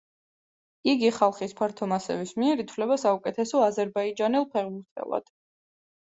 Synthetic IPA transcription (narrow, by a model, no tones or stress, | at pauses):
iɡiχalˠχispʰaɾt̪ʰɔmasɛ̰vismiɛɾit̪ʰvwlɛbasaukʼɛt̪ʰɛsɔazɛɾbaid͡ʒanɛlˠpʰɛʁbuɾt̪ʰɛ̰lˠa̰d̪̥